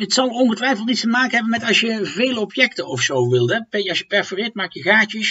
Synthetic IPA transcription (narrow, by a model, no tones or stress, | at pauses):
ətsɑlˠɔnχətʋɛjfəlˠtnitstəmaːkənɦɛbənmɛtɑsjəveːləɔpjɛktənɔfsowʋɪlˠdɛpeɑsjəpɛɹfərɪt̚maːkjəɣaːcəs